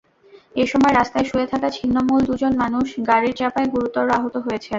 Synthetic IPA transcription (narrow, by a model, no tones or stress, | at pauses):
eʃɔmɔeɾast̪aeʃuet̪ʰakat͡ɕʰinːomuld̪ud͡ʑonmanuʃɡaɾiɾt͡ɕapaeɡuɾut̪ːɔɾɾoaɦot̪oɦojet͡ɕʰe